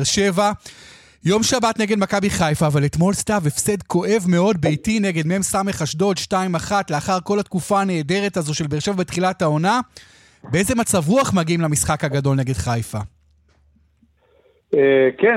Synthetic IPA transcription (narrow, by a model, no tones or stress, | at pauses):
ʁʃe̞va | jo̞mʃabatne̞ɡe̞dmakabiχajfaːvaletmo̞lstavefse̞dko̞ʔe̞vme̞o̞d̚bejtineɡe̞dmeemsame̞χaʃdo̞t̪ʃtaimaχatleaχaʁko̞latkufaːne̞ːde̞ʁe̞tazo̞ʃe̞lbeʁʃe̞vabetχilatao̞na | bee̞ze̞mat͡savʁuaχmaɡiimlamisχakhaɡado̞lne̞ɡe̞dχajfa | eke